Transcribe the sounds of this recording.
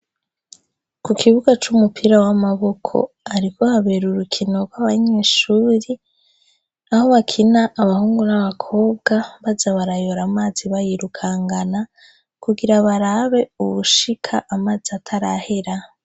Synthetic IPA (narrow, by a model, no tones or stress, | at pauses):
kukʰiβuɡat͡ʃumupʰiɾawamaβo̞kʰo̰ | aɾiko̞haβeɾuɾukʰino̞ɡwaβaɲe̞ːʃuːɾi | aho̞βakʰinaʔːβahuːŋɡunaβakʰo̞ːbɡaβazaβaɾajoɾamaːziβajiɾukʰaŋɡana | kuɡiɾaβaɾaβe̞uβuʃikʰaʔːmaːziatʰaɾahe̞ɾa